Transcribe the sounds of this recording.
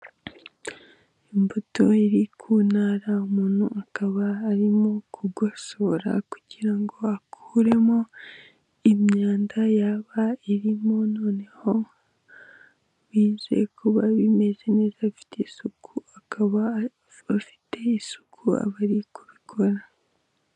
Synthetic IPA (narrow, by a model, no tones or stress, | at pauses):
imbutoiɾikʰunaɾaumuːn̥huakaβaːɾimo̞kʰuɡo̞so̞ːɾa̰ku̥ɟiɾaŋɡo̞akʰuɾe̞mo̞ | imɲaːndajaβaiɾimo̞no̞ːne̞ho̞ | βiːze̞̰kuβaβime̞ze̞ne̞ːzafi̥tʰesukuakʰaβa | afi̥te̞isu̥kʰua̰βaɾikuβikʰoɾa